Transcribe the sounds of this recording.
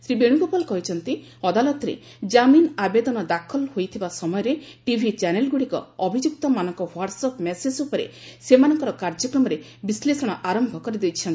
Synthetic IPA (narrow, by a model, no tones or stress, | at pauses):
sɾibeɽ̃uɡopɔlkɔɦit͡ʃʰɔnt̪iɔd̪alɔt̪ɔɾḛ | d͡ʒaminabed̪ɔnɔd̪akʰɔlhojt̪ʰibasɔmɔjɔɾeʈibʱit͡ʃanelɡuɽikɔ̰ːbʱid͡ʒuk̚t̪ɔmanɔŋkɔwaʈsɔpʰmesed͡ʒupɔɾḛsemanɔŋkɔɾɔkaɾd͡ʒɔkɾɔmɔɾe | bislesɔɽ̃ɔʔaɾɔmbʱɔkɔɾid̪ejt͡ʃʰɔnt̪ii̥